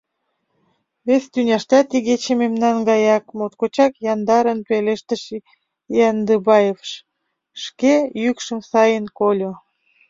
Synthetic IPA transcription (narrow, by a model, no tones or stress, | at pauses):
βest̪ynʲɑʃt̪ɑt̪iɣet͡ɕememnɑnɡɑjɑk̚mot̪kot͡ɕɑkjɑnd̪ɑɾənpeleʃt̪əʃ | jɑnd̪əbɑjefʃ | ʃkejykʃə̆msɑjənkolʲo